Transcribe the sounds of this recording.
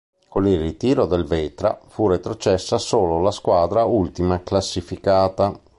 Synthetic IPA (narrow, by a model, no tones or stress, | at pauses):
konilrit̪iːɾod̪elveːt̪ɾa̰furet̪ɾot͡ʃɛsːasoːlolaskwaːd̪ɾault̪imaklasːifikaːt̪a